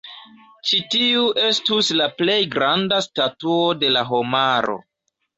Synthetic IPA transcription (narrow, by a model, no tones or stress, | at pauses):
t͡ʃitiuʔe̞stuslaple̞jɡɾandastatuo̞de̞laɦo̞maɾo̞̰